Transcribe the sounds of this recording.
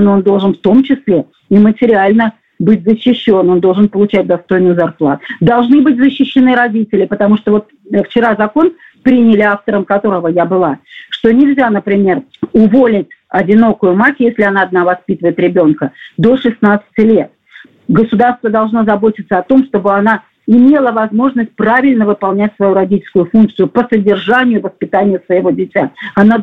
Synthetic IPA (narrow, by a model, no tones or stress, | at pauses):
noond̪o̞lˠʐɨnft̪o̞mt͡ɕɪslʲe̞ | imətʲɪɾʲɪalʲnə | bɨtʲzəɕːɪɕːo̞no̞nd̪o̞lˠʐɨnpəlˠʊt͡ɕæt̚ʲd̪ɐst̪o̞jnɨjzɐrplˠa̰t̪ʊʊd̪ɐlˠʐnɨbɨt̚ʲzəɕːɪɕːɪnɨɾɐdʲitʲɪlʲɪpət̪ɐmuʂt̪ovo̞t̪̚ | ft͡ɕɪɾazɐko̞n | pɾʲinʲɪlʲɪaft̪əɾəmkɐt̪o̞ɾəvəjabɨlˠaʂt̪o̞nʲɪlʲzʲanəpɾʲɪmʲe̞rʊvolʲɪtʲɐdʲɪno̞kʊjʊmakʲjesʲlʲɪɐnaːd̪navɐspʲit̪əvəɪt̪ɾʲɪbʲo̞nkəd̪o̞ʂɨsnat̪sɨ̥tʲɪlʲe̞t̪̚ | ɡəsʊd̪arst̪vəd̪ɐlˠʐno̞zɐbo̞tʲɪt̪səɐt̪o̞mʂt̪o̞bɨɐna | ɪmʲe̞lˠəvɐzmo̞ʐnəsʲt̚ʲpɾavʲɪlʲnəvɨpɐlˠnʲætʲsvɐjuɾɐdʲitʲɪlʲskʊjʊfunk̚t̪sɨjʊpəsədʲɪrʐanʲɪjʊvəspʲɪt̪anʲɪjəsvəɪvo̞dʲɪtʲaɐna